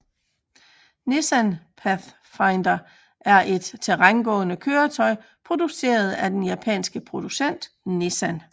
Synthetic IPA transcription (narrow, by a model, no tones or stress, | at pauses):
nesænpʰæθ | fɑ̈ɪnd̥ɐ | ʔæɐʔe̝d̥t͡sʰe̝ʁanɡ̥ɔ̰̽ːnəkʰøːɐt͡sʰɒ̽ɪpʰʁo̝d̥use̝̰ːɐð̞̩ˠæd̥enjæpʰɛ̰ːnsɡ̥əpʰʁo̝d̥usen̰d̥ | nesæn